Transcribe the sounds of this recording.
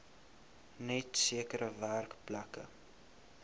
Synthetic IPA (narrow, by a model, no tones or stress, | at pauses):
nɛtsiəkəɾəværkplɐkə̰